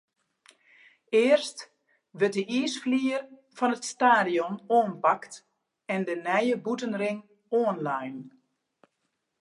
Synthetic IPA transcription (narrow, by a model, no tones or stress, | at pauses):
ɪːərst | ʋət̚dəiːsfliːər | fɔnətstaːdiɔnoːnpɑkt | ɛndənɛjəbutənrɪŋ | oːənlajn